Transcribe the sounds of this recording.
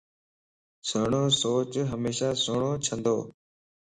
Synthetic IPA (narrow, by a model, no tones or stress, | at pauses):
səɳoːsoːt͡ʃɦəmeːʃaːsoːɳoːt͡ʃʰə̃nd̪oː